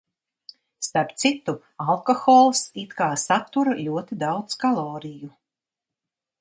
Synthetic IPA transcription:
st̪aɾpt̪sit̪u | alˠkɔxɔːlˠsit̪kaːsat̪ːuɾaʎʲuɔt̪id̪awd̪skalˠɔːɾiju

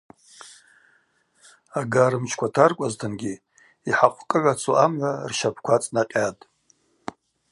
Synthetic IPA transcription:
aɡaɾɨmt͡ʃʰkʷatʰarkʷʼaztʰɨnɡʲi | iħaqʷʰkʼɨʕʷat͡sʰoʔamʕarʃapʰkʷat͡sʼnaqʲʼatʼ

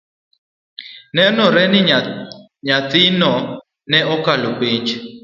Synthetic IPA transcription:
nɛnɔɾɛnɪ | ɲat̪ɪnɔ | nɛɔkalopeɲd͡ʒ

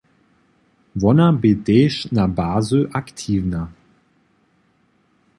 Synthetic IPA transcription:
vɔnɐbedɛːʃnabaːzøʔaktʰiːvna

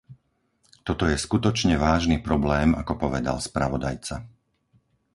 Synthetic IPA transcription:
t̪ɔt̪ɔjɛskut̪ɔt͡ʃɲɛʋaːʒniːpɾɔblɛːmakɔpɔʋɛd̪a̰lspɾaʋɔd̪a̰jt͡sa

